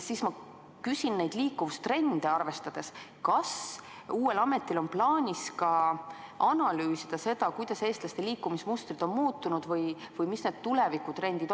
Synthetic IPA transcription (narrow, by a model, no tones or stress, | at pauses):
siːsmɑ | kysinne̞jd̪liːkːuvust̪re̞nd̪̥eɑrve̞st̪ɑd̪̥e̞skɑsuːe̞lɑme̞t̪ːˑilo̞nplɑːnʲiskɑʔɑnɑlyːsid̪̥ɑse̞d̪̥ɑkujd̪̥ɑse̞ːst̪lɑst̪e̞liːkːˑumismust̪rid̪̥o̞nmuːt̪ːˑunud̪̥vɤj | vɤjmisned̪̥̚t̪ule̞vikːut̪re̞nd̪̥id̪